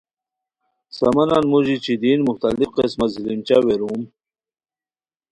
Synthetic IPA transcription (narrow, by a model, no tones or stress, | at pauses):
sa̰mananmuʑit͡ɕid̪inmuxt̪alifqesmat̪zilimt͡ɕaweɾum